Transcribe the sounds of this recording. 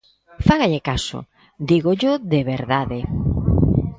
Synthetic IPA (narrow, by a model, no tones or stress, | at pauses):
faɣaʎekaso̰ | d̪iɣoʎoðeβeɾðaðe